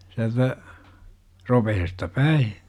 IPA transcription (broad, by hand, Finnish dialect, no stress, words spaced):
siæltæ ropehestɑ pæi